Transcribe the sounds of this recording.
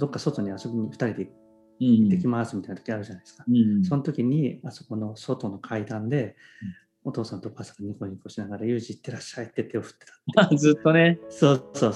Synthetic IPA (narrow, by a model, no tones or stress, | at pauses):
d̪o̞kːaso̞t̪o̞ɲ̟iaso̞bʲiɲ̟iɸɯ̥t̪aɾʲid̪e | it̪ːe̞kʲimasɨmʲit̪aint̪okʲiiaɾɯ̟ʑanaid̪sɨ̥kḁso̞not̪o̞kʲiɲ̟iaso̞ko̞no̞so̞t̪o̞no̞kʰaid̪ãnd̪e̞ | o̞t̪o̞ːsãnt̪o̞kasḁŋɡaɲ̟iko̞ɲikoɕinaɡaɾajɯ̟ːʑiːt̪ːe̞ɾaɕːait̪ːet̪e̞o̞ɸɯ̟̥t̪ːet̪ḁt̪e̥zɨt̪ːo̞neso̞ːso̞ː